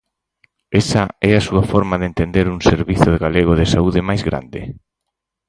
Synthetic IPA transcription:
ɛsaɛasuafɔɾmaðent̪end̪eɾuŋseɾβiθoðeɣaleɣ̞oðɪsauðɪmajzɣɾa̰nd̪ɪ

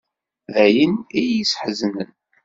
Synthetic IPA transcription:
ðæjiniisħəznən

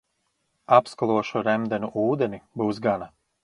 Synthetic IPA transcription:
apskalˠuɔʃuɾɛmd̪ɛnʲuʔuːd̪enibuwsɡana

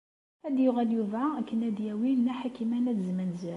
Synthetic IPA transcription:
æd̪jʊʁæljuvʕaækːənæd̪jæwinːæħakimænæd̪zmənzæ

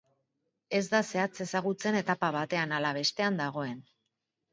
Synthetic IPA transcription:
e̞zd̪ase̞at͡se̞saɣut͡se̞ne̞t̪apaβ̞at̪e̞analaβe̞st̪e̞and̪aɣ̞o̞e̞n

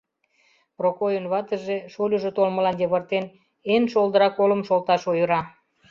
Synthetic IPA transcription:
prokojənβɑt̪əʒeʃolʲuʒot̪olməlɑnj̪eβərt̪en | enʃold̪əɾɑkoləmʃolt̪ɑʃojəɾɑ

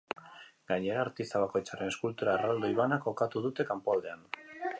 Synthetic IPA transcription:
ɡaɲe̞ɾaːɾt̪ist̪aβ̞ako̞jt͡saɾe̞ne̞skult̪uɾarald̪oiβanako̞kat̪uð̞ut̪e̞kampoald̪e̞an

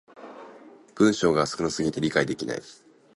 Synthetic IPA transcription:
b̥ɯ̟̃ɰ̃ɕo̞ːɡaːsɨ̥kɯ̟nosɨɡʲit̪e̞ɾʲikaid̪e̞kʲina̰i

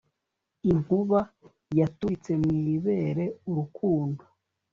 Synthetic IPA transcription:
iŋ̥huβa | jatuit͡se̞mŋiβe̞ɾe̞uɾukʰuːndo̥

